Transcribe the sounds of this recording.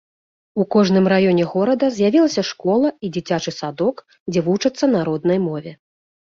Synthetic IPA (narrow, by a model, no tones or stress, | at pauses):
ukɔʐnɨmrajɔnʲɛɣɔɾɐd̪ɐzʲjavʲilˠɐsʲɐʂkɔlˠɐid͡zʲit͡sʲat͡ʂɨsad̪ɔk | d͡zʲɛvut͡ʂɐt̪sːɐnaɾɔd̪̚nɐjmɔvʲɛ